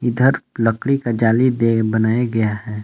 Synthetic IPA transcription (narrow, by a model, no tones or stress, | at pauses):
ɪd̪ʱəɾləkɽikad͡ʒaːlid̪ebɐnaːjaɡɐjahɛː